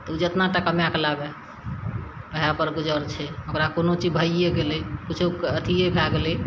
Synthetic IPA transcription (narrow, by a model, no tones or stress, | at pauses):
t̪ɔud͡ʒet̪naʈakəmjakelabɛ | pəɦapəɾɡud͡ʒəɾt͡ʃʰɛokɾakonot͡ʃid͡ʒbʱəeɡelekut͡ʃʰukət̪ʰijekʰaɡele